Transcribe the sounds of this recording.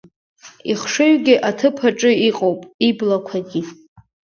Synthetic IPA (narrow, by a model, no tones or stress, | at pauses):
iχʂɨɥɡʲɪʔatʰɨpʰaʈ͡ʂʼɨiqʼowpʼiblakʷʰaɡʲi